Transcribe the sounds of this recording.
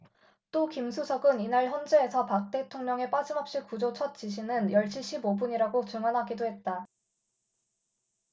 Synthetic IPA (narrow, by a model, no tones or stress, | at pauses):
t͈okimsʰusʰʌɡɯninaɭçjʌnd͡ʑeːsʰʌpak̚t͈e̞tʰoŋɲʌŋe̞p͈ad͡ʑimʌp̚ɕ͈ikud͡ʑot͡ɕʰʌt̚t͡ɕ͈iɕʰinɯnjʌɭɕ͈iɕʰibobuɲiɾaɡot͡ɕuŋwanɦaɡidoɦe̞t̚t͈a